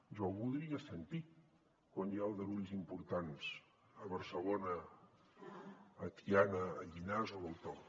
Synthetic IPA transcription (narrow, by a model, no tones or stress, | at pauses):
ʒawβulˠðɾiəsənt̪i | kwanjaəlˠd̪əɾuʎzimpuɾt̪ans | əβəɾsəlonə | t̪ianəːʎinazoβəlˠt̪ɔ